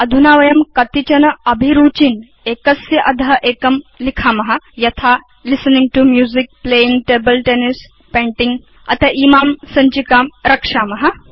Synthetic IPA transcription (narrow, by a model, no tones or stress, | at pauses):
ɐd̪ʱunaːʋɐjɐmkɐt̪it͡ʃɐnɐɐbʱiɾuːt͡ʃin | eːkɐsjɐʔɐd̪ʱɐɦɐʔeːkɐmlikʰaːmɐɦɐjɐt̪ʰaː | lisɐnĩŋɡʈumjuːzik̚pleːiŋɡʈeːbɐlʈeːnis | pẽːɳʈiŋɡ | ɐ̰t̪ʰɐʔiːmaːmsɐɲt͡ʃikaːmɾɐkʂaːmɐɦɐ̆